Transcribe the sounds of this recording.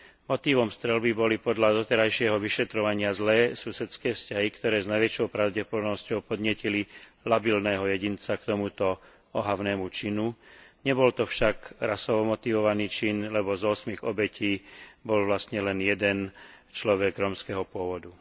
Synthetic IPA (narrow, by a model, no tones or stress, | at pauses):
mɔt̪iːʋɔmst̪ɾɛlbibɔlipɔd̪ʎad̪ɔt̪ɛɾajʃɪɛɦɔʋiʃɛt̪ɾɔʋaɲɪazlɛːsusɛt͡skɛːfscaɦikt̪ɔɾɛːznajʋɛt͡ʃɔʊpɾaʊɟɛpɔd̪ɔnɔscɔʊpɔd̪ɲɪɛcililabilnɛːɦɔjɛɟint͡sakt̪ɔmut̪ɔ | ɔɦaʊnɛːmut͡ʃinuɲɛbɔlt̪ɔfʃaɡɾasɔʋɔmɔt̪iʋɔʋaniːt͡ʃinlɛbɔzɔsmiɣɔbɛciːbɔlʋlast̪ɲɛlɛnjɛd̪ɛn | t͡ʃlɔʋɛɡɾɔːmskɛɦɔpʊɔʋɔd̪u